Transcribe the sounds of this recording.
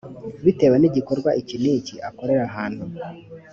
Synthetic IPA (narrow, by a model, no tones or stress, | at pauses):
βite̞weniɟiko̞ɾɡwaʔiciniciʔako̞ɾe̞ɾaɦaːn̥hu